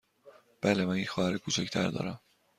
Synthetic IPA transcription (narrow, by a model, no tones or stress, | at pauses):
b̥æːlemæninxɒːhæɾikut͡ʃʰæcʰt̪ʰæ̰ɾd̪ɒ̰ːɾæm